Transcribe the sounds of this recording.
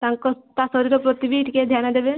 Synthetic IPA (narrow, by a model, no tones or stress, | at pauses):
t̪aŋkɔt̪asɔɾiɾɔpɾɔt̪ibiʈked̪ʱjanad̪ebe